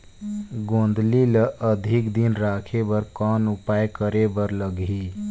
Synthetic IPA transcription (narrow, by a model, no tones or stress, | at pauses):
ɡõːnd̪liləʔəd̪ʱɪkd̪inɾaːkʰebəɾkɔːnʊpaːjkəɾebəɾləɡi